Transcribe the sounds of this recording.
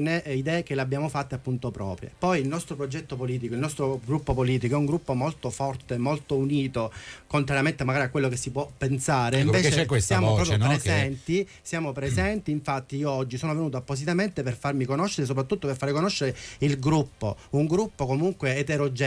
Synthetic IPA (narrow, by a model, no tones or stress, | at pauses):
neid̪ɛːkeleabːjaːmofat̪ːeapːunt̪opɾɔ̰ːpɾjḛpɔjilnɔst̪ɾopɾod͡ʒɛt̪ːopoliːt̪ikoilnɔst̪ɾoɡɾupːopoliːt̪̬ikoɛuŋɡɾupːomolt̪ofɔrt̪emolt̪ouniːt̪okont̪ɾaɾjament̪emaɡaːɾiakːwelːokesːipwɔpːensaːɾeiimveːt͡ʃksjaːmoɾɔːpjpɾezɛnt̪i | sjaːmopɾezɛnt̪iːɱfat̪ːiioɔd͡ʒːisoːnovenuːt̪̬oapːos̬it̪ament̪eperfarmikonoʃːeɾes̬op̬ɾat̪ːut̪ːoperfaɾekonoʃːeɾeilɡɾupːo | uŋɡɾupːokomuŋkweːt̪eɾod͡ʒɛ